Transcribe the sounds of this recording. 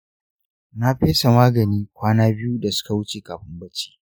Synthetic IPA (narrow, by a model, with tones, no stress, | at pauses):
na˦ɸeː˦sa˨maː˦ɡɐ˨niː˦kʷaː˦naː˦bɪ˦ju˦da˨sʊ̥˦ka˨wʊ˦t͡ʃeː˨kaː˨ɸɪ˦mbɐ˦t͡ʃːi̥ː˦